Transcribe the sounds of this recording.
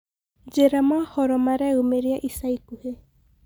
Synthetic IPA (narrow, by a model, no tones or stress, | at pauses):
d͡ʒeɾamahɔɾɔmaɾɛumeɾiaʔisaikuhe